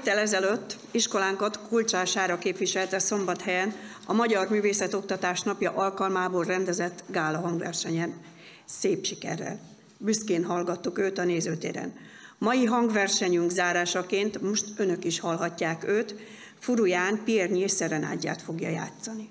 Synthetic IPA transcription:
t̪ːɛlɛzɛløt̪ː | iʃko̞laːŋkɒt̪kult͡ʃaːʃaːɾɒkeːpʋiʃɛlt̪ɛso̞mbɒt̪hɛjɛnɒmɒɟɒrmyːveːsɛt̪o̞k̚t̪ɒt̪aːʃnɒpjɒʔɒlkɒlmaːboːlrɛnd̪ɛzɛt̪ːɡaːlɒɦɒŋɡʋɛ̰rʃɛɲɛn | seːpʃikɛ̰rːɛ̰l | byskeːnɦɒlɡɒt̪ːukøːt̪ɒneːzøːt̪ḛːɾɛ̰n | mɒjiɦɒŋɡʋɛrʃɛɲyŋɡzaːɾaːʃɒkeːnt̪mo̞ʃt̪ønø̞kiʃhɒlɦɒcːaːkøːt̪ | fuɾujaːnpierɲieːʃsɛɾɛna̰ːɟːa̰ːt̪fo̞ɡjɒ̰ja̰ːt̪sɒni

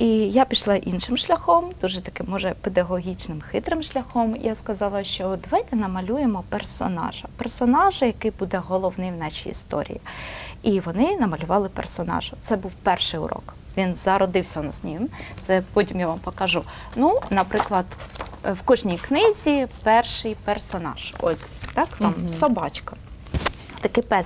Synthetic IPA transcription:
ijapʲiʃlˠɑʔinʃɪmʃlʲɐxɔmd̪̥uʒɛt̪ɐkɪmːɔʒɛped̪ɐɦɔɦʲit͡ʃnɪmxɪt̪ɾɪmʃlʲɐxɔmjaskɐzɑlˠɐʃt͡ʃɔd̪ɐʋajt̪ɛnɐmɐlʲujemɔpersɔ̰nɑ̰ʒɐpersɔnɑʒɐjɐkɪjbud̪ɛɦɔlˠɔwnɪjwnɑt͡ʃʲijḭst̪ɔ̰ɾʲḭjiiʋɔnɪnɐmɐlʲʊʋɑlˠɪpḛrsɔnɑ̰ʒʊt̪sɛbuwpɛrʃɪjʊ̰ɾʔɔ̰k | ʋʲinzɐɾɔd̪ɪwsʲɐnɐsʲnʲimt̪sɛpɔtʲimjaʋampɔkɐʒu | nunɐpɾɪklˠɐd̪wkɔʒnʲijknɪzʲipɛrʃɪjpersɔnɑ̰ʒ̥ɔ̰sʲt̪ɑkt̪ɑmsɔbɑt͡ʃkɐ | t̪ɐkɪpɛ

